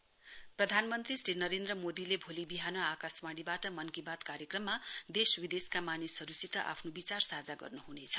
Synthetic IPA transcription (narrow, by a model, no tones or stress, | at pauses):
prʌd̪ʱanmʌnt̪risrinʌɾend̪ɾʌmod̪ilebʱolibiɦanʌakaswaɽibaʈʌmʌnkibat̪kaɾjekrʌmːad̪eswid̪eskamanisʌɾusit̪ʌʔa̰pʰnobit͡sarsad͡zaɡʌ̰rnuɦunet͡sʰʌ̥